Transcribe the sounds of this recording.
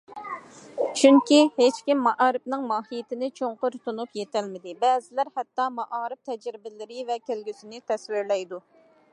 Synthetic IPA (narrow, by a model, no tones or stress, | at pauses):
t͡ʃʰyŋkʲihet͡ʃkʲimːɑʔɑːɾɨpnɨŋmɑːɦijɪt̪ɪnɪt͡ʃʰoŋqʊɾt̪ʰunupjet̪ʰɛlmɪd̪ɪbɛːzɪlæɾhɛt̪ːɑmɑʔɑːɾɪp̚t̪ʰɛd͡ʒɾɪbɪlɪɾɪvɛkʲelɡʲysɪnɪt̪ʰɛswɪɾlɛjd̪u